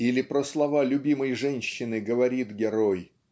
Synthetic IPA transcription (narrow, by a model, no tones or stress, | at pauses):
ilʲɪpɾəslˠɐvalʲʊbʲiməjʐɛnʲɕːɪnɨɡəvɐɾʲit̪ɡʲɪɾoj